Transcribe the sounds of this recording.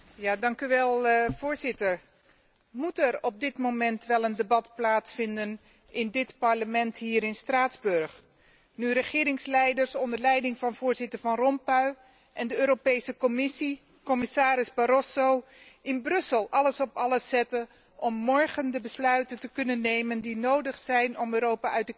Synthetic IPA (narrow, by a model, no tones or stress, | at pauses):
jaːdɑŋkyʋɛlˠvʊːɹzɪtəɹ | mutɛɹɔb̚dɪtmowmɛntʋɛlˠəndəbɑtplaːtsfɪndən | ɪndɪtpɑɹləmɛnthiːɾɪnstraːtzbɵɹχ | nyrəχɪːɾɪŋslɛjdəɹsɔndəɹlɛjdɪŋvɑnv̥ʊːɹzɪtəɹvɑnrɔmpœɥ | ʔɛndəøːɾopejsəkɔmɪsi | kɔmɪsaːɾɪzbaɾɔsowɪnbrɵsəlˠʔɑləsɔpɑləsːɛtə | ɔmːɔɹχəndəbəslœɥtəntəkɵnənːejməndinowdəχsɛjnɔmøːɾowpaœɥtək